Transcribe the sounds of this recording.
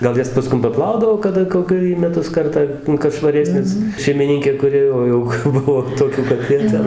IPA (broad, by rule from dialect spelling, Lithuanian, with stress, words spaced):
ɡɐlˠ ˈjɛs pɐˈskʊm pɐˈplˠɐʊdɐʋoː kɐˈdɐ koːˈkʲɛ iː mʲɛˈtʊs ˈkɐrtɑː kɐt ʃʋɐˈrʲæːsʲnʲeːs ʃʲɛɪmʲɪˈnʲɪŋʲkʲeː kʊˈrʲɪ ˈoː jɛʊ ˈbʊʋoː toːˈkʲuː kɐt ˈjiɛ ˈtʲɛn